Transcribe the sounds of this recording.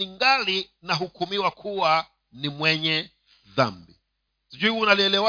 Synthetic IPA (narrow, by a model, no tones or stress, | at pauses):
iŋɡali | naɦukumiwakʰuwa | nimwɛɲɛ | ða̰mbi | sid͡ʒuiunaliɛlɛwa